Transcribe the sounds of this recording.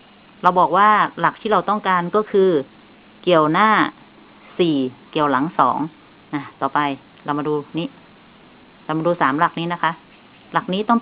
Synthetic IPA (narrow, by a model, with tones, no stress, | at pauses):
ɾa˧wbɔː˨˩k̚waː˥˩la˨˩k̚t̪ʰiː˥˩ɾa˧wt̪ɔ˥˩ŋkaː˧nkɔː˥˩kʰɯː˧ | ki˨˩əwnaː˥˩ | siː˨˩ki˨˩əwla˩˦ŋsɔː˩˦ŋ | na˧˩t̪ɔː˨˩pa˧j | la˧wma˧duː˧niː˦˥ | la˧wma˧duː˧saː˩˦mla˨˩k̚niː˦˥na˦˥kʰa˦˥ʔ | la˨˩k̚niː˦˥t̪ɔ˥˩ŋ